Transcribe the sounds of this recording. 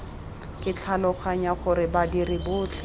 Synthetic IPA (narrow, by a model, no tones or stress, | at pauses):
kɪt͡ɬʰalɔχʰaɲaχʊɾɪbadirɪbʊːt͡ɬʰɛ